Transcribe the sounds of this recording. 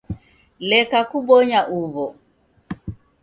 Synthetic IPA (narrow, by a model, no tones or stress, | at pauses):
lɛkakuɓɔɲaʔuβɔ